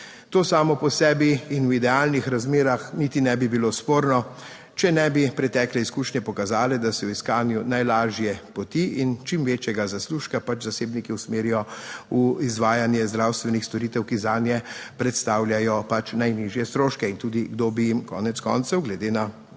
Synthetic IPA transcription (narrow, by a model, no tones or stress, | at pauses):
t̪oːsaːmɔpɔsɛːbiːnwid̪ɛaːlnixɾazmeːɾaxniːt̪inɛbibilospoːɾnɔ | t͡ʃɛnɛbipɾɛt̪ɛːklɛiskuːʃnɛpɔkazaːlɛd̪asɛwiskaːnjunajlaːʒjɛpɔt̪iʔint͡ʃimʋeːt͡ʃjɛɡazasluːʃkapat͡ʃzaseːbnikiwsmeːɾijɔuizʋaːjanjɛzd̪ɾawst̪ʋɛnixst̪ɔɾit̪ɛwkizaːnjɛpɾɛt̪st̪aːwlʲjajɔpat͡ʃnajniʒjɛst̪ɾoːʃkɛint̪uːd̪iɡd̪obijimkɔ̰ːnɛt̪skɔ̰ːnt̪sɛwɡlɛd̪eːna